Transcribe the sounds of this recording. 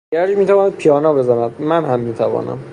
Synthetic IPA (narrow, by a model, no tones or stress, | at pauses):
ɡæɾd͡ʒmiːt̪ʰævɒːnæd̪̥̚pʰijɒːnɒːbe̞zænæd̪̚mænhæmːiːt̪ʰævɒ̰ːnæ̰m